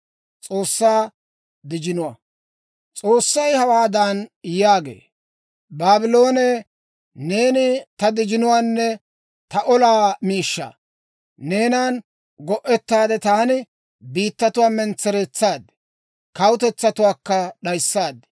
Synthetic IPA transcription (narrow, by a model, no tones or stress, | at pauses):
t͡sʼo̞ːsːaː | d̪ɪd͡ʒɪnʊwɐ̰ | t͡sʼo̞ːsːɐjhɐwaːd̪aːnjaːɡḛː | baːbɪlo̞ːne | ne̞ːnɪt̪ɐd̪ɪd͡ʒɪnʊwaːnːɛ | t̪ɐʔɔlaːmiːʃːa̰ | ne̞ːnaːn | ɡɔʔɛt̪ːaːd̪ɛt̪aːnɪ | biːt̪ːɐt̪ʊwaːmɛnt͡sːɛɾɛt͡sːaːd̪ | kɐwʊt̪ɛt͡sːɐt̪ʊwaːkːɐɗɐjsːaːd̪